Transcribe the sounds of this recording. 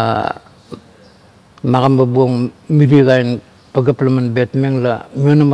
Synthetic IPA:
maɣambabuoŋmiɾiɣajn | paɡaplamanbetmeŋlamionam

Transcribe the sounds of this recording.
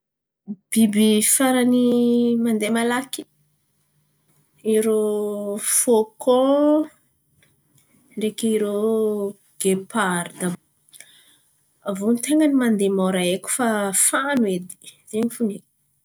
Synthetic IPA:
b̥ibifaɾanimand̪emalaki̥ | iɾo | foko | ɳɖ͡ʐekiɾo | ɡ̥epaɾd̪a | avonit̪eŋɡənimand̪emowɾaekʲu̥fafanwed̪i̥zeɲifunek

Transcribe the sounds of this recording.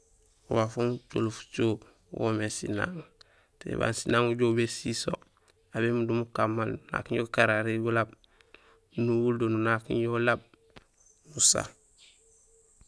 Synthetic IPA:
uwafuŋt͡ʃo̰lufu̥t͡ʃo | wo̰mesḭna̰ːŋ | tḛba̰ːnsinaːŋuɟobesiso̰ | abemudumukamːalnuna̰kiɲjokaɾaɾiɡulab̚ | nuwuldonunakḭɲjolab̚ | nusa̰

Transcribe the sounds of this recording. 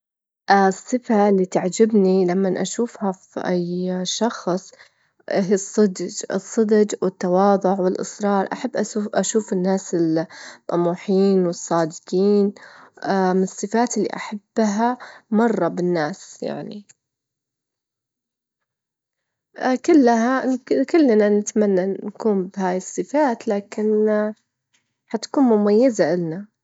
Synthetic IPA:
ʔsˤːɨfalːiːt̪aʕd͡ʒɪbnilamːanʔaʃuːfhafiʔajʃɑxsˤ | ɦiːsˤːɨd̪d͡ʒɨsˤːɨd̪d͡ʒwɪt̪ːɑwɑːðˤʊʕwɪlʔɨ̰sɾˤɑːɾˤʔa̰ħabːʔaʔaʃuːfɪnːaːsɪlmʔa̰muːħiːnwɨsˤːɑːd̪ɪɡiːn | mɪnɨsˤːɨfaːt̪ɪlːḭʔa̰ħab̥ːɦamɑrˤːɑbɪnːaːsja̰ʕni | kʊlːɦakʊlːnanɪt̪manːankuːmbɪhaːjɪsˤːɨfaːt̪laːkɪn | hat̪ḁkuːnmʊmajːazaʔɪlna

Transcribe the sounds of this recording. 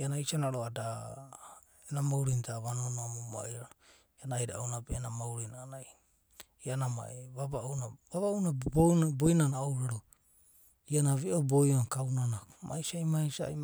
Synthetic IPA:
ianaisanaɾoada | enamawɾintaβanonoamoma̰iaɾo | ianajɾaownabeːnamawɾinanaj | ianama̰eβaβaownaβaβaownabobojnanaowɾaɾo | ianaβiʔobojonkawnanamʔa̰jsajmajsa̰

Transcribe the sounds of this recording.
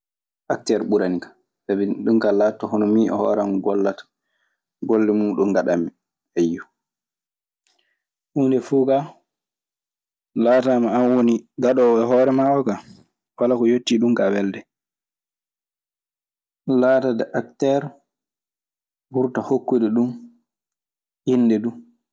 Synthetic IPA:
ʔak̚tɛɾɓuɾanikḁ | sabiɗumkalatːɔhɔnɔmiʔɔ̰hɔ̰ːɾamɡɔlːatḁ | ɡolːɛmumɗɔŋɡaɗami | ɛjːɔ | ʔuːndɛfuːka | laːtamaanwoniɡaɗɔɛɦɔːɾɛmaʔɔka | walakɔjotːiɗumɡawɛldɛ | laːtadɛʔak̚tɛɾ | wuɾtahokːudɛɗum | ʔinːdɛdu

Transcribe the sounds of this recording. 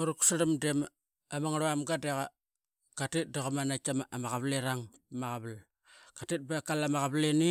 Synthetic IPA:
uɾuku̥saɾamdem | amaŋɾaamɡadeɣa | katet̚daɣamanakamamaɣaβleɾaŋ | maɣaβal | katet̚bakalamaɣaβleni

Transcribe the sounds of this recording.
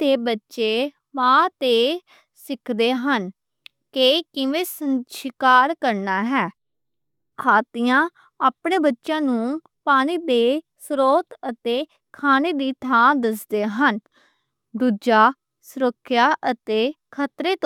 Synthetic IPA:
t̪eːbətːʃeː | mãːt̪eː | sɪkʰd̪eːɦən | kekɪʋeːsənʃɪkaːɾkəɾnaːɦɛː | kʰaːt̪ɪjãː | aːpɳeːbətːʃãːnũː | paːñiːd̪eːsɾoːt̪ət̪eː | kʰaːneːd̪iːt̪ʰãːd̪əs̬d̪eːɦən | d̪uːd͡ʒaː | sʊɾəkʰːjaːʔət̪eː | kʰət̪ɾeːt̪ː

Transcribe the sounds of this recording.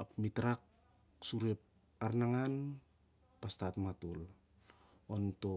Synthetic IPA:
apmitɾak̚ | suɾe̞p̚ | aɾnaŋan | pastatmatol | onto̞

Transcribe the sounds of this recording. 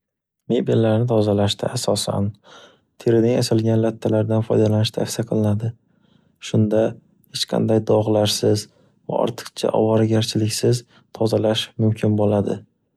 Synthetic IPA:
me̞bilːaɾnɪt̪ʰɒzalaʃt̪ɪ̰ʔasɒsa̰n | t̪ʰeɾɪnɪŋasalˠɡʲanlat̪ʰːalaɾd̪anfɒ̰jd̪alanɪʃt̪ʰafsiaqʰɨlˠɪnad̪ɪ | ʃʊnd̪a | het͡ʃqʰɑ̰nd̪ajd̪ɒʁlˠaʃsɪz | va̰ɒ̰ɾt̪ʰɨ̥qt͡ʃʰa̰ʔɒ̰vɒɾaɡʲaɾt͡ʃʰɪlɪkʲsɪz | t̪ʰɒzalaʃmʊmkʲʰɪnbolad̪ɪ

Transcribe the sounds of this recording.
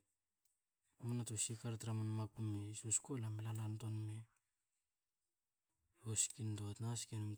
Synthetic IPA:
amanatosikaɾtɾamanmakumesuskolamelanantonme | oskindoatnaskenum

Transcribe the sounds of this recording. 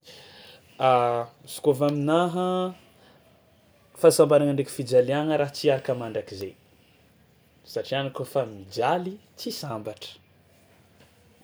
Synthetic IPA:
asu̥kovaminaɦə | fasambaɾanəɳɖ͡ʐeki̥fid͡ʒaliaŋəɾaɦt͡siaɾakəmaɳɖ͡ʐakizḛ | saʈ͡ʂianikofamid͡ʒalit͡sisambaʈ͡ʂə̥

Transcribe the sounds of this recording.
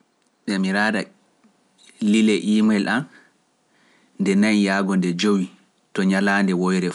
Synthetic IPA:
ɓɛmiɾaːda | lilɛʔiːmɛlʔan | ndɛnaɲjaːɡɔndɛd͡ʒowi | tɔɲalaːndɛwɔjɾɛ

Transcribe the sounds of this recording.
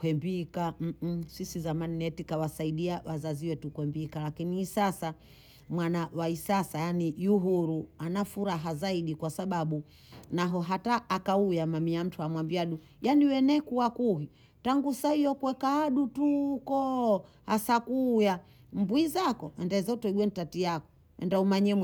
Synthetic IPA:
kwɛmbikam̩sisizamaninɛtikawasaiɗiawazaziwɛtukwɛmbikalakiniːsasa | mwanawaisasajanijuɦuɾuanafuɾaɦazaiɗikwasaɓaɓu | naɦɔɦataːkaujamamiam̩tʰuamwambiaɗu | janiwɛnɛkuwakuɦi | taŋɡusaijɔkwɛkaːɗutukɔhasakuːja | mbwizakɔɛndaizautɔiɡwɛnitatijakɔ̥ | ɛ̰ndaumaɲɛm

